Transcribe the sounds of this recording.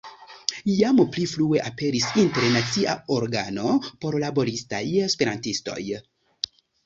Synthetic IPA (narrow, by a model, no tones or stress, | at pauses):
jampliflue̞ʔape̞ɾisinteɾnat͡sia̰oɾɡano̞po̞ɾlabo̞ɾista̰jespe̞ɾantisto̞̰j